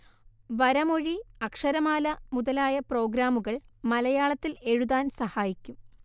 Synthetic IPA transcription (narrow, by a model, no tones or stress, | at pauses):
ʋɐɾɐmo̞ɻiɐkʂɐɾɐmaːlɐmuðɐlaːjɐpro̞ːɡɾaːmuɣɐɭmɐlɐjaːɭɐt̪ːile̞ɻuðaːnsɐhaːjikʲːum